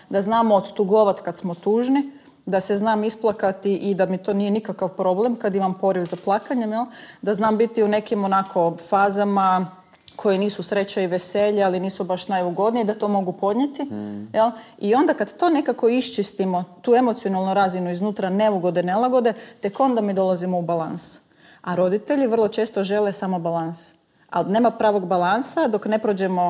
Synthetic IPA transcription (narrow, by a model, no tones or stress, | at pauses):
d̪aznaːmood̪t̪uɡo̞ʋat̪kad̪smo̞t̪uːʒni | d̪ase̞znaːmisplˠakat̪iʔid̪amit̪o̞ːniːje̞nikakaʋpɾo̞ble̞mkad̪imampo̞ɾiʋzaplˠakaɲe̞mjelˠd̪aznaːmbit̪iune̞kimonakʰo̞faːzama | kʰo̞jeniːsusɾe̞t͡ɕaiʋeseʎialiniːsubaʃnajuɡo̞d̪nijeid̪at̪o̞ːmo̞ɡupo̞d̪ɲe̞t̪ijelˠ | io̞nd̪akad̪t̪o̞ːne̞kako̞iʃt͡ʃist̪imo̞t̪uːe̞mot̪sio̞nalˠnuɾazinuiznuːt̪ɾane̞uɡo̞d̪ene̞lˠaɡo̞d̪e̞t̪e̞ko̞nd̪amid̪o̞lˠazimo̞ubala̰ns | aɾo̞d̪it̪e̞ʎiʋr̩lˠo̞t͡ʃe̞ːst̪o̞ʒe̞le̞samo̞balans | a̰lne̞ːmapɾaːʋo̞ɡbalˠansad̪o̞kne̞pɾod͡ʑe̞mo̞